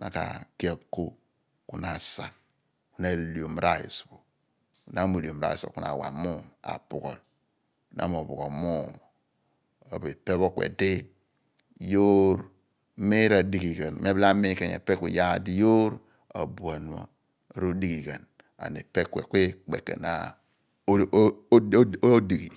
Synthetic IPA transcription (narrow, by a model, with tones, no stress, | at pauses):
na˨ka̰˨ki˦a˨ko˦ | ku˨na˨sa˨ | ku˦na˨li˨o˨m˨ɾa˦ḭ˨sbo˨ | ku˨na˦mo˨lo˨mɾa̰˦i˨so̰˨ku˦na̰˨wa̰˨mu˦˨ma̰˨pu˨ɡo˨l | nʔa̰˦mo˨bu˨ɡo˨mu˦ | a˨be˨pe˦βo˦kwḛ˨di˦ | jo˦ɾ | me˦ɾa˨di˨ɡi˨ɡe˨n˨m˦e˦bla˦me˦ke˨ɲḛ˨pe˦kʷe˨ja˦˨di˦jo˦ɾ | a˨bu˨a˨n˨a̰˨ | ɾo˦di˦ɡi˨ɡe˨n | a̰˨ne˨pe˦kwḛ˨kʷe˦k͡pe˨kḛ˨na̰˦ | di˨ɡi˨